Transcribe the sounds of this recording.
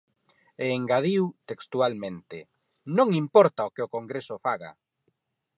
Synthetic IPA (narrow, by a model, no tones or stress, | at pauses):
eːŋɡaðiwt̪ekst̪ualmẽnt̪e | nõŋimpɔɾt̪aokeokoŋɡɾesʊfaɣa̰